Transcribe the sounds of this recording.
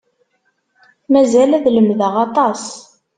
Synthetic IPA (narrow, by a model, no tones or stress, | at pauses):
mæzælæðləmðəʁɑt̪ˤɑs